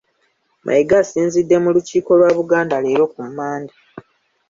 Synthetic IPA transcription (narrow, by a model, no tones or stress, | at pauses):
mʔa̰jiɡasiːnzidːe̞muluciːko̞lwaːβuɡaːndaleːɾo̞kumaːndi